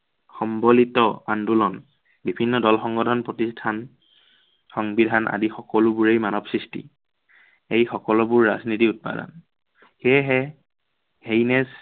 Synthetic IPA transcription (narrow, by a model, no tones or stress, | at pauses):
xɔmbɔlitɔandulɔn | bibʱinːɔdɔlxɔŋɡɔdʱɔnpɹɔtistʰan | xɔŋbidʱanʔa̰dixɔkɔlʊbuɹejmanɔbsɹistḭ | ejxɔkɔlɔbʊɹːaznitiut̚pa̰dɔ̰n | xɛɦɛ | hejnɛz